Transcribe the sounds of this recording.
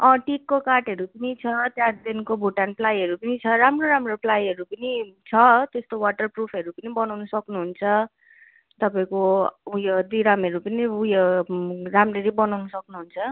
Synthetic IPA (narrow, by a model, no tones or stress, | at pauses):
ʌ̃ʈikːokaʈɦʌɾupʌnit͡sʰʌt̪jad̪enkobʱoʈanplajɦʌɾupʌnit͡sʰʌɾamroɾamroplajɦʌɾupʌnit͡sʰʌt̪est̪owaʈʌrprupʰʌɾupʌnibʌnawnʌsʌknuɦunt͡sʰʌ | t̪ʌpaĩkoujʌd̪iɾamʌɾupʌniujʌramreɾibʌnawnʌsʌknuɦunt͡sʰʌ